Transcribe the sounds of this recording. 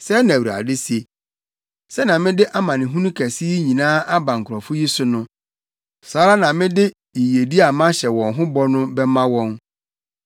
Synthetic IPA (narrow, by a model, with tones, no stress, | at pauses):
sɛ˦nã˨wu˨ɾa̰˨dɪ˦si˨e˨ | sɛ˦nã˨mɪ̃˦dɪ˦ʔa˦mã˨nɪ̃˨ɦũ˦nũ˦kʰæ˨si˦ɲĩ˨nãː˦a˦bã˨ŋ̩˨kʰʊ˨ɾɔ˨fʊ˦ji˦sʊ˦nʊ̃˦ | saː˨˦ɾa˦nã˨mɪ̃˦dɪ˦ | i˨je˨di˦a˨mã˦ɕɛ˨wɔ̃˨nɦʊ̃˦bɔ˦nʊ̃˦bɛ˦mã˦wɔ̃˦n